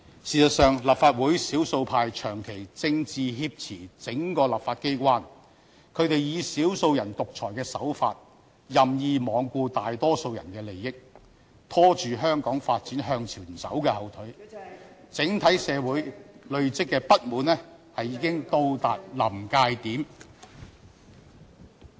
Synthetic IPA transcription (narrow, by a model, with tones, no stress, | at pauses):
siː˨˩sɐ˨t̚sœː˨ŋlɐː˨˩p̚faː˧t̚wuː˨˥jsiː˨˥wso˧wpʰaː˧jt͡ʃʰœː˨˩ŋkʰe˨˩jt͡sɪ˧ŋt͡siː˨ɦiː˧p̚t͡sʰiː˨˩t͡sɪ˨˥ŋkɔː˧lɐ˨p̚faː˧t̚ke˥jkʷaː˥n | kʰɵ˨˧ɥt̪e˨jjiː˨˧siː˨˥wso˧wjɐ˨˩nt̪ʊ˨k̚t͡sʰɔː˨˩jkɛː˧sɐ̰˨˥wfa̰ː˧t̚ | jɐ˨˩mjiː˨˧mɔː˨˧ŋkʷuː˧t̪aː˨jt̪ɔː˥so˧wjɐ̰˨˩nkɛː˧le˨˩jːɪ˥k̚ | t̪ʰɔː˥t͡ʃyː˨ɦœː˥ŋkɔː˨˥ŋfaː˧t̚t͡siː˨˥nɦœː˧ŋt͡sʰiː˨˩˨sɐ̰˨˥wkɛː˧hɐ˨wt̪ʰɵ˨˥ɥ | t͡sɪ˨˥ŋt̪ʰɐ˨˥jsɛː˨˧wuː˨˥jlɵ˨ɥt͡sɪ˥kːɛː˧pɐ˥t̚muː˨˥nɛː˥ | hɐ˨jːiː˨˧˥kɪ˥ŋt̪o˧wt̪aː˨t̚lɐ˨˩mkaː˧jt̪iː˨˥m